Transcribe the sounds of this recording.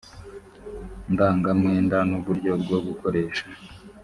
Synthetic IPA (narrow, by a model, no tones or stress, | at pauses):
ndaːŋɡamŋeːndanuβuɾɟo̞bɡoɡuko̞ɾe̞ːʃa